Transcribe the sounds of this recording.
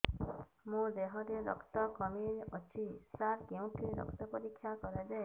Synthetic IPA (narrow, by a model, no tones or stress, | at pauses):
mũd̪eɦɔɾeɾɔ̰kt̪ɔkɔmiɔt͡ʃʰisaɾkeũʈʰiɾɔ̰kt̪ɔpɔɾikʰːjakɔɾed͡ʒae